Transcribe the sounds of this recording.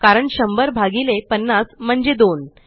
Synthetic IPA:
kaɾəɳɕəmbəɾbʱaɡilepənːasm̤əɳd͡ʑed̪on

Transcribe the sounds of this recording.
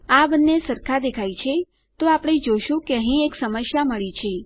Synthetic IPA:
abənːesəɾkʰad̪ekʰajt͡ʃʰe | t̪oapɳ̃id͡ʒoʃũkeəɦĩeksəməsjaməɭit͡ʃʰe

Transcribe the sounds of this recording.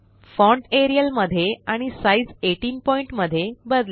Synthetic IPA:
fɔ̃ɳɖeɾijəlməd̪ʱːjeaɽ̃isaid͡zeʈiːnpɔiɳʈməd̪ʱːjebəd̪l

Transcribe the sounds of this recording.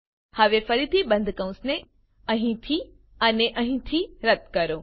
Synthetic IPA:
həʋefəɾit̪ʰibə̃nd̪ʱkə̃ũsne | ə̃ɦĩt̪ʰi | əneʔə̃ɦĩt̪ʰiɾət̪kəɾõ

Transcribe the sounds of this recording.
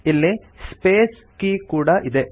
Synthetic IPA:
ilːe | speːs | kikuːɽaʔid̪e

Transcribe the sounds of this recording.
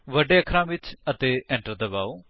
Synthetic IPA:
ʋəɖeːəkʰɾãːʋɪt͡ʃət̪eːɛ̃ːɳʈəɾd̪əbaːoː

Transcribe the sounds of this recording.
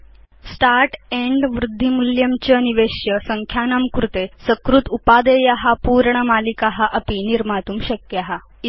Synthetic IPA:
sʈaɾʈeɳɖʋɾud̪ʱːimuljəmt͡ɕəniʋeɕjəsəŋkʰjanamkɾut̪esəkɾut̪upad̪ejaɦapuːɾɳəmalikaɦaʔəpiniɾmat̪uːmɕəkjaɦa

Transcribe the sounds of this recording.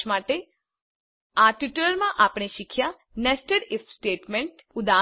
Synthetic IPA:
maːʈe | aːʈuʈəɾəlmãʔaːpɽ̃eʃɪkʰja | nɛsʈəɾɪfsʈeːʈmẽɳʈʊd̪aː

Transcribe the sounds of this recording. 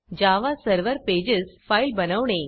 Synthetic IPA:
d͡ʑaʋasəɾʋəɾped͡ʑəsfailbənaʋɳ̃ẽ

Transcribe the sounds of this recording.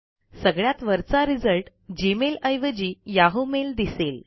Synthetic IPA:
səɡɭjat̪ʋəɾt͡saɾid͡zəlʈ | d͡ʑimeləjʋəd͡ʑiːjaɦomeld̪isel

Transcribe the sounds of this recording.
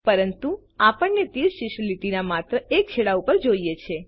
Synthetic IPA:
pəɾənt̪u | apəɳːet̪iɾʃiʃliʈinamat̪ɾəʔek̚t͡ʃʰeɭaupəɾd͡ʒoijet͡ʃʰe

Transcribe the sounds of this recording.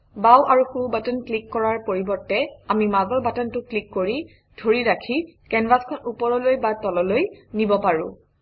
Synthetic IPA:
bawʔaɹuxubatɔnklikːɔɹaɹpoɹibɔɹtɛamimaɡɔɹbatɔntʊklikːoɹi | d̥ʱoɹiɹakʰikɛnbaskʰɔnupɔɹɔlojbatɔlɔlojnibɔpaɹʊ̰̃

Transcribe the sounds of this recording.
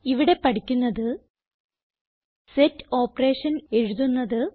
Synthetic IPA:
iʋiɽe̞pɐʈikʲːunːɐðɨ | setːo̞ːpɐre̞ːʂɐne̞ɻuðunːɐðɨ

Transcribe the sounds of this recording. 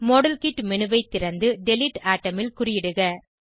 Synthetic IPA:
moːɽɐlkiʈmɛnɯʋɐɪt̪ːɪɾɐnd̪ɯɖɛlɪʈːaːʈːɐmɪlkʊrɪjɪɽɯɣɐ

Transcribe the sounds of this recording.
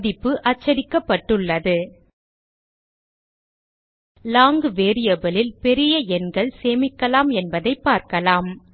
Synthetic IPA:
ðɪpːɯʔɐt͡ʃːɐɾɪkːɐpːɐʈːɯɭːɐðɯ | laːŋɡɯʋeːɾɪjɐbɐlɪlpɛɾɪjɐɛnɡɐɭseːmɪkːɐlaːmɛnbɐðɐɪpːaːɾkɐlaːm

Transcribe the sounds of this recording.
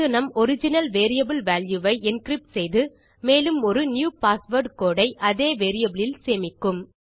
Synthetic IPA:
ɯnɐmɔɾɪd͡ʒɪnɐlʋeːɾɪjɐbɪlʋaːljuʋɐɪɪnkɾɪp̚ʈsɛjðɯ | meːlɯmɔɾɯnjuːpaːsʋɐɾɖkoːɽɐɪʔɐðeːʋeːɾɪjɐbɪɭɪlseːmɪkːɯm

